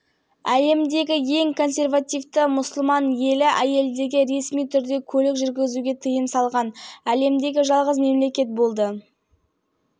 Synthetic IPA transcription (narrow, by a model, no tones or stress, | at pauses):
æle̞md̪e̞ɡʲɪje̞ŋkʰo̞nsʲe̞rvat̪ijvt̪əmʊsʊlˠmɑnje̞lɪʔæje̞ld̪e̞ɡʲɪɾe̞smijt̪ʰʏɾd̪e̞kʲʰɵlɪkʒʏɾɡʲɪzuɡʲe̞t̪ʰəjəmsɑlˠʁɑnæle̞md̪e̞ɡʲɪʒɑlˠʁəzme̞mle̞kʲe̞t̪̚bo̞lˠd̪ə